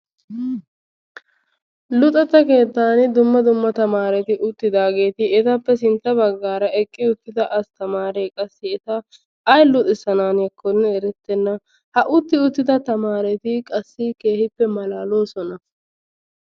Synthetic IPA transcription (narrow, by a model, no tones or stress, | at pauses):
lʊt̪ʼɛt̪ːɐke̞ːt̪ːaːnd̪ʊmːɐd̪ʊmːɐt̪ɐmaːɾɛt̪ɪʔʊt̪ːɪd̪aːɡe̞ːt̪ɪɛt̪ɐpːɛsɪnt̪ːɐbɐɡːaːɾɐɛkʼːɪʊt̪ːɪd̪ɐʔɐst̪ɐmaːɾeːkʼɐsːɪɛt̪ɐː | jlʊt̪ʼɪsɐnaːnjɐkʰːɔnːɛɛɾɛt̪ːɛnːɐ | hɐʔʊt̪ːɪʊt̪ːɪd̪ɐt̪ɐmaːɾɛt̪ɪkʼɐsːɪke̞ːhɪpːɛmɐlaːlo̞ːsɔnɐ